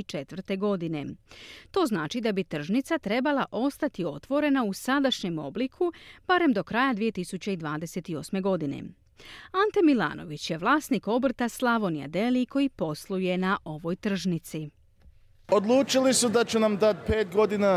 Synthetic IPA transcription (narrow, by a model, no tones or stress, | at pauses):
t͡ʃe̞t̪ʋr̩t̪e̞ɡo̞d̪ine̞t̪o̞ːznaːt͡ʃid̪abit̪r̩ʒnit̪sat̪ɾe̞balˠaʔo̞st̪at̪io̞t̪ʋo̞ɾe̞nausad̪aʃɲe̞mo̞̰blikʰub̥aɾe̞md̪o̞kɾajad̪ʋije̞t̪isut͡ɕe̞id̪ʋaːd̪e̞se̞t̪io̞sme̞ɡo̞d̪ine̞̰ | ant̪emilˠa̰ːno̞̰ʋit͡ɕje̞ʋlˠaːsniko̞br̩t̪aslˠaʋo̞nija̰d̪eliko̞jipo̞slˠuje̞naʔo̞ʋo̞jt̪r̩ʒnit̪si | od̪lˠuːt͡ʃilisud̪at͡ɕunamd̪at̪̚peːt̪ɡo̞d̪ina